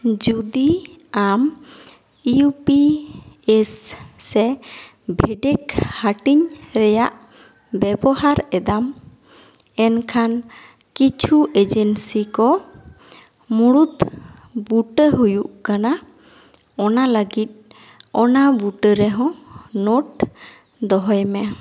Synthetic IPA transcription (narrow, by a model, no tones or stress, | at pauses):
d͡ʒud̪iam | upi | esːɛ | bʱɛɖɛkhaʈiɲɾɛjaʔ | bɛbɔhaɾɛd̪am | ɛnkʰan | kit͡ʃʰuʔed͡ʒɛnsikɔ | muɽut̪ | buʈəɦujuʔkana | ɔnaləɡit̪̚ | ɔnabuʈəɾɛɦɔ̃noʈ | d̪ɔɦɔjmɛ